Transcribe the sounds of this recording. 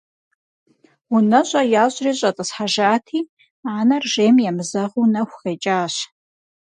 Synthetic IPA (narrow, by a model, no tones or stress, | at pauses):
ʊnɐɕʷʼɐjaːɕʼreːɕʼɐtʼɨsħaʒaːtʰiː | aːnɐrʒeːmjɛmɨzɐʁunɐxʷxet͡ʃʼaːɕ